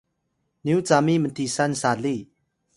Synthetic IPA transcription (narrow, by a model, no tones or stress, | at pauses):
niwt͡samimənt̪ʰisansali